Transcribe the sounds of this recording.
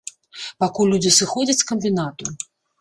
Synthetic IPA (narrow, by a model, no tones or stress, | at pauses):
pakulʲːud͡zʲisɨxɔd͡zʲɐt͡sʲskɐmʲbʲinat̪u